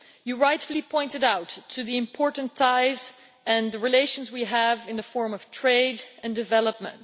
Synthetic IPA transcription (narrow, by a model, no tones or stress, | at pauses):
jɨɹaɪtflˠipʰɔ̃ɪ̃ntɨɾaʊtʰːɨðiɨ̃mpʰɔɹʔn̩tʰaɪz | ɨ̃nðɨɹileɪʃə̃n̩zwiəvɨ̃nðɨfɔɹmʌv̥tʰɹ̥eɪɾɨ̃ndɨvɛlˠəp̚mə̰̃nt